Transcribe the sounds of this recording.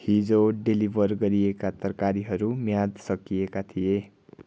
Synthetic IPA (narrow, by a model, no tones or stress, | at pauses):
hid͡zoɖelibʱʌrɡʌɾiekat̪ʌrkaɾiɦʌɾumjad̪sʌkijekat̪ʰije